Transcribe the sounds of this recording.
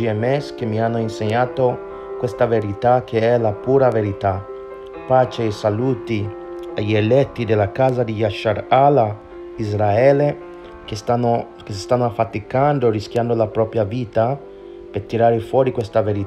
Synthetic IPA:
iɛmɛskemːianːoinseɲːaːt̪o | kwest̪aveɾit̪ak̟ːeɛlapuːɾaveɾit̪a | paːt͡ʃeesaluːt̪i | aʎelɛt̪ːid̪elːakaːzad̪ijaʃaɾala | izɾaɛːle | kesao | kesi̥st̪anːoafat̪ikand̪orisk̟jand̪olapɾɔːpɾjaviːt̪a | pert̪iɾaːɾefwɔːɾikwest̪aveɾi

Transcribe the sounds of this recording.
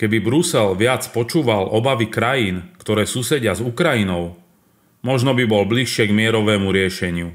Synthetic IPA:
kɛbibɾusɛlʋɪat͡spɔt͡ʃuːʋalʔɔbaʋikɾajiːnkt̪ɔɾɛːsuːsɛɟɪazukɾajinɔʊ | mɔʒnɔbibɔlbliʃɪɛɡmɪɛɾɔʋɛːmuɾɪɛʃɛɲɪu

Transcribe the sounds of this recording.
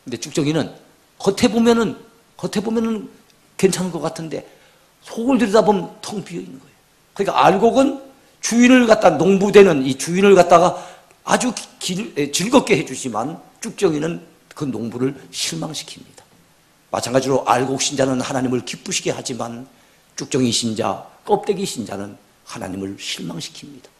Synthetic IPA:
kɯnde̞t͡ɕ͈uk̚t͡ɕ͈ʌŋinɯn | kʌtʰe̞bomjʌnɯn | kʌtʰe̞bomjʌnɯn | ke̞nt͡ɕʰanɯnɡʌk͈atʰɯnde̞̰ | sʰoɯɭdɯɾidabomtʰɯŋpiʌinːɯnɡʌejo | kɯɲik͈a̰aɭɡoɡɯn | t͡ɕuinɯɭkat̚t͈anoŋbude̞nɯnit͡ɕuinɯɭkat̚t͈aɣa | a̰d͡ʑukiet͡ɕiɭɡʌp̚k͈e̞ɦe̞d͡ʑud͡ʑiman | t͡ɕ͈uk̚t͡ɕ͈ʌŋinɯn | kɯnoŋbuɾɯɭɕʰiɭmaŋɕʰi̥kʰimɲid̥ḁ | ma̰t͡ɕʰaŋɡad͡ʑiɾoʔa̰ɭɡok̚ɕ͈ind͡ʑanɯnhanaɲimɯɭkip͈uɕʰiɡe̞had͡ʑiman | t͡ɕ͈uk̚t͡ɕ͈ʌŋiɕʰind͡ʑa̰k͈ʌp̚t͈e̞ɡiɕʰind͡ʑa̰nɯn | hana̰ɲimɯɭɕʰiɭmaŋɕʰi̥kʰimɲid̥ḁ

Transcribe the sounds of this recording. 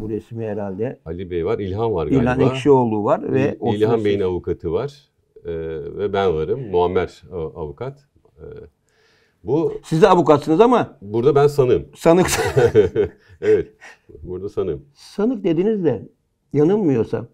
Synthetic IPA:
buɾesmiɦeɾalʲd̪ɛalʲibejvaɾilʲɦanvaɾɡilʲhanɛkʃio̞lˠd̪uːvaɾvɛoilʲɦanbeninavukʰat̪ʰɯvaɾ̥ | vɛbænvaɾɯmːuamːæɾavukʰat̪ | ɛ | busizavukat̪sɯnɯzamabuɾd̪abænsanɯmsanɯks | evɛt̪̚buɾd̪asanɯm | sanɯk̚d̪e̞d̪inizd̪ɛ | janɯnmɯjo̞ɾsa̰

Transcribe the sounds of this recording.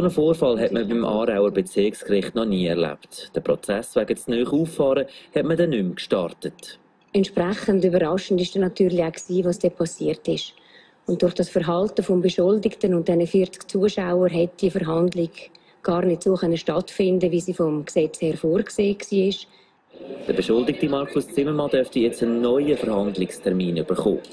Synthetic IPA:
sonəfoːɾfɑlɦɛtməbɪmʔɑ̰ːɾaʊəɾbet͡sɪkskrɪχtnɔniːɛɾla̰ptd̥əpɾɔt͡sɛsvɛɡət͡snœːχuːfɑːɾəhɛtmədɛnːʏmkʃtɑ̰rtət | ɛntt͡ʃʃprɛχəndybəɾɑʃən̩dɪʃd̥ɛnɑtyːɾlɪaʊksiːvɑːsd̥ɛpʰɑsiəɾtɪʃ | ʊnt̚d̥ʊrχd̥ɑsfəɾɦɑltəfɔmbəʃʊldɪktənʊnt̚d̥ɛnəfiːɾt͡skt͡suəʃaʊəɾɦɛt̚d̥iəfəɾɦɑndlɪɡ | ɡ̥ɑːɾnɪtsoːχœnəʃtɑtfɪndəviːsiːfomksɛt͡shɛɾfoːɾkseːksiːɪʃ | d̥əbəʃʊldɪk̚timɑɾkʊst͡sɪməmɑdœftijɛt͡stənːɔʏəfəɾhɑndlɪkstʰɛɾmiːnyb̥əɾχo̰ː

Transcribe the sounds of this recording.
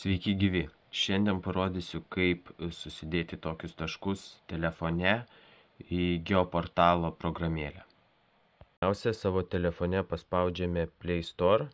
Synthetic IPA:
sʲʋʲɛɪkʲɪɡʲɪʋʲɪ | ʃʲɛnʲd̪ʲɛnpɐɾoːd̪ʲisʲʊkɐɪpsʊsʲɪd̪ʲeːt̪ʲɪt̪oːkʲʊst̪ɐʃkʊst̪ʲɛlʲɛfoːnʲɛ | iɡʲɛopoːɾt̪ɑːlˠoːpɾoɡɾɐmʲeːlʲæː | æˑʊsʲɛsɑːʋoːt̪ʲɛlʲɛfoːnʲɛpɐspɑˑʊd͡ʒʲɛmʲeːpʲlʲɛɪst̪oːɾ

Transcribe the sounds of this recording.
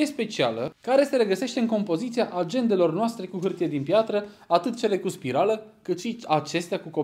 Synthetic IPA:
e̞spe̞t͡ʃia̰ləkaɾe̞se̞ɾe̞ɡəse̞ʃt̪eɨŋko̞mpo̞zit̪sijaʔad͡ʒe̞nd̪e̞lo̞rnoast̪ɾe̞kuɦɨrt̪ijed̪inpjat̪ɾəat̪ɨt̪̚t͡ʃe̞le̞kuspiɾaləkɨt̪ʃiat͡ʃe̞st̪eakuko̞

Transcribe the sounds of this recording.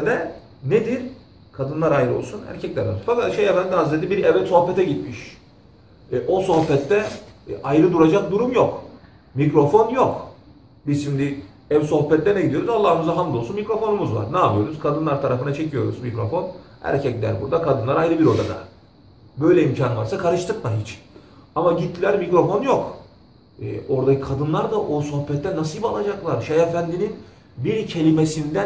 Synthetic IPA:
d̪ɛ | ned̪iɾ | kʰad̪ɯnlˠaɾajɾɯo̞̰lˠsunæ̰ɾcʰɛclʲæɾo̰fakat̪ʃejɛfænd̪iazed̪ibiɾɛvɛt̪so̞hpɛt̪ʰɛɟit̪miʃ | ʔo̞so̞hpɛt̪ːɛʔajɾɯd̪uɾad͡ʒak̚d̪uɾumjok | mikɾo̞fo̞njok | bizʃimd̪i | ɛvso̞hpɛt̪ːʲɛnɛɟid̪ioɾuzalˠːaːɯmɯzaɦand̪ˠolˠsunmikɾo̞fo̞numuzva̰ɾnaːpɯjo̞ɾuzkʰad̪ɯnlˠaɾt̪ʰaɾafɯnat͡ʃʰe̞cʰijo̞ɾuzmikɾo̞fo̞n | æ̰ɾcʰɛclʲæ̰ɾbuɾd̪akʰad̪ɯnˠaɾajɾɯbiɾo̞d̪a̰d̪a̰ | bø̞jlʲɛimcʰanvaɾsakʰaɾɯʃt̪ʰɯkmaɦit͡ʃamaɟit̪ʰːilʲæɾmikɾo̞fo̞njok | ɛ̰ʔo̞ɾd̪acʰikʰad̪ɯnlˠaɾd̪aʔoso̞hpɛt̪ːɛnasijbalˠad͡ʒaklˠaɾʃejefænd̪inin | biɾcʰe̞lʲimesind̪æ

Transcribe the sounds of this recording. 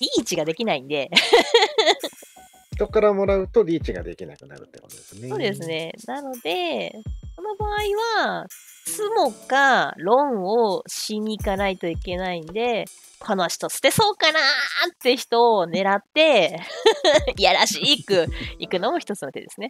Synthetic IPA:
ɾʲiːt͡ɕiɡad̪e̞kʲinaĩnd̪e̞ | ç̥t̪o̞kaɾamo̞ɾaɯ̟t̪o̞bʲiːt͡ɕiɡa̰d̪e̞̰kʲina̰kɯ̟na̰ɾɯ̟t̪ːeko̰od̪esɨsneo̞ːd̪e̞sɨne̞nano̞d̪e̞so̞no̞baːiβa | t͡sɨmo̞kaɾõ̞ɰ̃o̞ɕiɲ̟ʲikanait̪o̞ike̞naĩnd̪e̞ | kʰo̞noɕi̥t̪osɨ̥t̪e̞so̞ːkanaːt̪ːe̞çi̥t̪o̞ːne̞ɾat̪ːe̞ | jaɾaɕiːkɯ̟ikɯ̟no̞mo̞çi̥t̪o̞t͡sɨnot̪e̞d̪e̞sɨne̞

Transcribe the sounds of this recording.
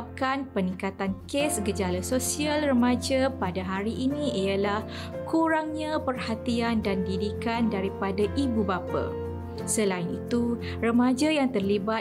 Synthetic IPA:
p̚kanpənĩŋkat̪ankesɡəd͡ʒalasosialrəmãd͡ʒapadaɦaɾiʔinĩiəlah | kuɾaŋɲãpərhat̪iandandidikandaɾipadaʔibubapa̰ | səlaɪnit̪u | rəmãd͡ʒajaŋt̪ərliba

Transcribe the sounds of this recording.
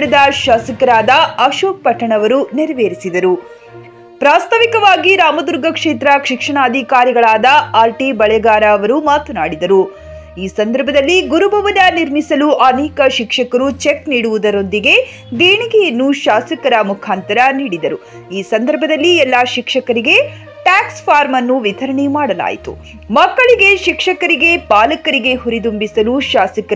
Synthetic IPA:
ɽud̪ɐʃaːsɐkɐɾaːd̪ɐɐʃoːk̚pɐʈʰːɐɳɐʋɐɾuniɾɐʋeːɾisid̪ɐɾu | pɾaːst̪ʰɐʋikɐʋaːɡiɾaːmɐd̪uɾɡɐkʂeːt̪ɾɐkʂikʂɐɳaːd̪ʱikaːɾiɡɐɭaːd̪ɐaːɾʈibɐɭɐjɐɡaːɾɐɐʋɐɾumaːt̪ɐnaːɽid̪ɐɾu | iːsɐnd̪ɐɾbʱɐd̪ɐlːiɡuɾubʱɐʋɐnːɐniɾmisɐluʔɐneːkɐʃikʂɐkɐɾut͡ʃekniːɽuʋud̪ɐɾo̞nd̪iɡe̞ | d̪eːɳiɡɛjɐnːuʃaːsɐkɐɾɐmukʰaːnt̪ɐɾɐniːɽid̪ɐɾu | iːsɐnd̪ɐɾbʱɐd̪ɐlːiɛlːaːʃikʂɐkɐɾiɡe̞ | ʈaːkspʰaːɾmɐnːuʋit̪ɐɾɐɳemaːɽɐla̰ːjit̪ṵ | mɐkːɐɭiɡe̞ʃikʂɐkɐɾiɡe̞paːlɐkɐɾiɡe̞ɦuɾid̪umbisɐluʃaːsikɐ

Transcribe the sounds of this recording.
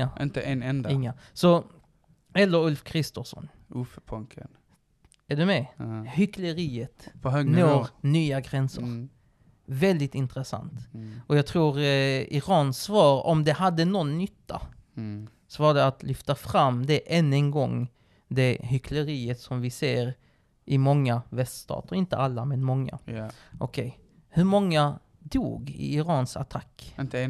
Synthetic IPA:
ʔɪnt̪əʔɛnɛnd̪aɪŋːasɔ | ɛlːəɾɵlfkʰɾɪst̪ɔsɔ̰n | ufpʰɔŋkʰə̰n | æɖɵmɛhʏkləɾiːət̪pɔɦønoːɾnyːaɡɾɛnsə̰ɾ | vɛld̪ɪt̪ɪnt̪ɾəsa̰nt̪ɔjɑːt̪ʰɾuːɾɪɾɑːnsvɑːɾɔ̰md̪ɛhad̪ːənɔnːʏt̪ʰːa̰ | svɑːd̪ɛat̪lʏft̪afɾamːd̪ɛʔɛnːənɡɔŋː | d̪ɛhʏkʰləɾiːət̪sɔmvɪseːɾ | ʔɪmɔŋːavɛst̪st̪ʰɑ̰ːt̪əɾɪnt̪ə̰ʔalːamɛnmɔŋːa̰ʔɔkʰɛj | hɵɾmɔŋːa | d̪ṵːɡɪ̰ɪɾɑːnsa̰t̪ʰakː

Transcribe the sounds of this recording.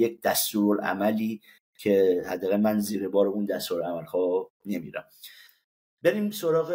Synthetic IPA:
jec̚d̪æst̪uːɾɾæ̰mæliː | cʰe̞hæ̰d̪ːæɣæmænziːɾebɒːɾeuːnd̪æst̪uɾæmælhɒː | ne̞mḭːɾæ̰m | beɾiːmsoɾɒːɣe

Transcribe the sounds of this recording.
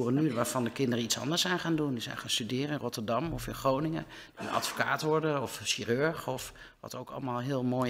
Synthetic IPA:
urənyʋaːɹv̥ɑndəkɪndərəitsɑ̰ndəɹsɛjnχaːndundizɛ̰jnχaːnstydɪːrəɪnrɔtəɹdɑmɔfɪnχrownɪŋə̰ | d̥iənɑ̰tfoka̰ːtʋɔɹdəɔfʃiːrøɹχɔf | ʋɑ̰towkɑ̰lˠmaːlˠɦɪːlˠmoːj

